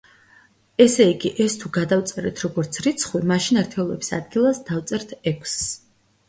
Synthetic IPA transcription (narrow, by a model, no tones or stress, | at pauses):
ɛsɛiɡiʔɛst̪ʰuɡad̪aft̪sʼɛɾɛ̰t̪ʰɾɔɡɔɾt̪sʰɾit̪sʰχwimaʃinaɾt̪ʰɛɔlˠɔ̰bisa̰d̪ɡilˠasd̪̥aft̪sʼɛɾt̪ʰɛkʷʰs